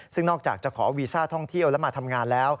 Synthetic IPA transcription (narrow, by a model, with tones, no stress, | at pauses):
sɯ˥˩ŋnɔː˥˩k̚t͡ɕa̰ː˨˩k̚t͡ɕa˨˩kʰɔː˩˦wiː˧saː˥˩t̪ʰɔ˥˩ŋt̪ʰi˥˩əwlɛ˦˥maː˧t̪ʰa˧mŋaː˧nlɛː˦˥w